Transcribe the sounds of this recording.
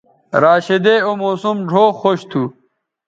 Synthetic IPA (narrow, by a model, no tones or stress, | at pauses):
ɾaːɕed̪eomoːsumɖʱoːxoɕt̪ʰu